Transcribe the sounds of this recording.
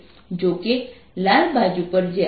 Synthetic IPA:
d͡ʒoke | lalbʱad͡ʒupəɾd͡ʒe

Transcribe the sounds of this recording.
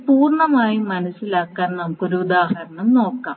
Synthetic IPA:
puːrɳɐmaːjimɐnɐsilaːkːaːnnɐmukːo̞ɾuud̪aːhɐɾɐɳɐmno̞ːkːa̰ːm

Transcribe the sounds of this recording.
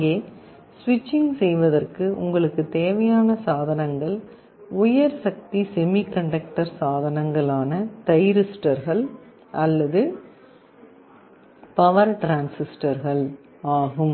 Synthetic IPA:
ɡeː | sʋɪt͡ʃːɪŋɡsɛjʋɐðɐrkɯʊ̰ŋɡɐɭɯkːɯt̪eːʋɐjaːnɐsaːðɐnɐŋɡɐɭ | ʊjɐɾsɐk̚t̪isɛmikɐɳɖɐk̚ʈɐɾsaːðɐnɐŋɡɐɭaːnɐt̪ɐjɾɪsʈɐɾɣɐɭ | ɐlːɐðɯ | pɐʋɐɾʈɾaːnsɪsʈɐɾɣɐɭ | aːɣɯm

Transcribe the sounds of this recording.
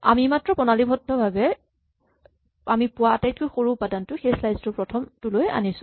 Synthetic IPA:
a̰mimatɹɔpɔnalibʱɔdʱɔbʱabɛ | amipʊwaatajt̚kojxoɹupadantʊxejslajztʊpɹɔtʰɔmtʊloja̰nisʊ̥̃

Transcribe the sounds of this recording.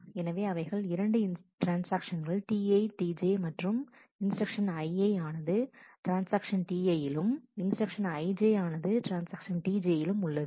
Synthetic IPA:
ɛnɐʋeːɐʋɐɪɣɐɭɪɾɐɳɖɯɪnʈɾaːnsaːkʂɐnɡɐɭʈiːɐɪʈiːd͡ʒeːmɐʈrɯm | ɪnsɾɐkʂɐnɐɪɐɪaːnɐðɯʈɾaːnsaːkʂɐnʈiːɐjɪlɯmɪnsʈɐkʂɐnɐɪd͡ʒeːaːnɐðɯʈɾaːnsaːkʂɐnʈiːd͡ʒeːjɪlɯmʊɭːɐðɯ

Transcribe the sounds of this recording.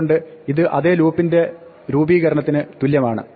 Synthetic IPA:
ɳɖɨiðɨʔɐðeːluːpːinde̞ | ɾuːbiːɣɐɾɐɳɐt̪ːinɨt̪uljɐmaːɳɨ̰

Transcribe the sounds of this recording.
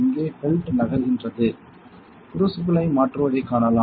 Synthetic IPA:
ɪŋɡeːfɛlʈnɐɣɐɾɣɪndrɐðɯ | pʊɾɯsʊplɐɪmaːʈrɯʋɐɽɐɪkːaːnɐlaː

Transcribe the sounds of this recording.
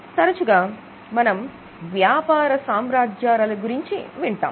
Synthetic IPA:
t̪ɐɾɐt͡ʃuɡaː | mɐnɐm | ʋjaːpaːɾɐsaːmɾaːd͡ʒjaːɾɐlɐɡuɾiɲt͡ʃiʋiɳʈa̰ːm

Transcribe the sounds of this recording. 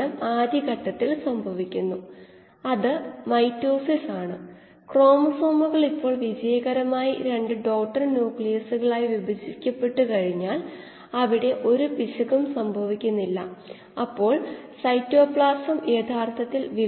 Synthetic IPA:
ɐmaːd̪iɣɐʈːɐt̪ːilsɐmbʱɐʋikʲːunːu | ɐðɨmɐjtːo̞ːsisaːɳɨ | kro̞ːmɐso̞ːmuɣɐɭipːo̞ːɭʋid͡ʑɐjɐɣɐɾɐmaːjiɾe̞ɳɖɨɖo̞ːk̚ʈːɐrnjuːkɭijɐsuɣɐɭaːjiʋibʱɐd͡ʑikʲːɐpːe̞ʈːukɐɻiɲːaːl | ɐʋiɽe̞ʔo̞ɾupiɕɐɣumsɐmbʱɐʋikʲːunːilːɐ̰ | ɐpːo̞ːɭsɐjtːo̞ːpɭaːsɐmeːt̪ʰaːrt̪ʰɐt̪ːilʋi

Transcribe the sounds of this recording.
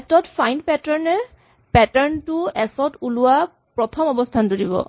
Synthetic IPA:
ɛtɔtfajnpɛtɔɹnɛ | pɛtɛɹntʊɛsɔtulʊa | pɹɔt̪ʰɔmɔbɔstʰantudibɔ̰

